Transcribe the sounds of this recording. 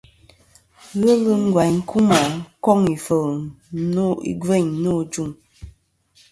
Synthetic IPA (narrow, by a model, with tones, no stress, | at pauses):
ɣə˦lə˦ŋ̩˦ɡwa˨jŋ̩˦kʰu˦ma˨kɔ˦˨ŋi˨fə˨ | no˦ḭ˦ɡwe˦˨ɲno˦d͡ʒu˦˨ŋ